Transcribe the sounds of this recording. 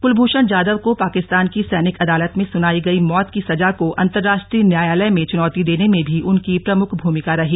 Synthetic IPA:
ɡ̥ʊlbʱuːʃənd͡ʒaːd̪əʋkopaːkɪst̪aːnkisɛːnɪkɐd̪aːlət̪mẽsʊnaːiɡɐimɔːt̪kisɐd͡ʒakoʔɐ̰̃nt̪əɾːaːʃʈɾiːnjaːjaːləjmẽt͡ʃʊnɔːt̪id̪eːnemẽbʱiʔʊnkipɾɐmʊkʰbʱuːmɪkaɾɐɦiː

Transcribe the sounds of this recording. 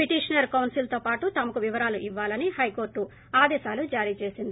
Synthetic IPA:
piʈiːʂɐnɐɾkɐwnsilt̪o̞ːpaːʈut̪ɐmɐkuʋiʋɐɾaːluʔiʋːaːlɐnihɐjko̞ːɾʈːu | aːd̪ɛːʃaːlud͡ʒaːɾiːt͡ʃe̞ːsind̪i

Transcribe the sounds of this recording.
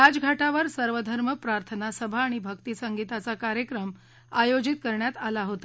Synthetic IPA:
ad͡zɡʱaʈaʋəɾsəɾʋəd̪ʱəɾməpɾaɾt̪ʰənasəbʱaːɽ̃ibʱək̚t̪iːsəŋɡit̪at͡sakaɾjəkɾəm | ajod͡ʑit̪̚kəɾɳjat̪alaɦot̪a

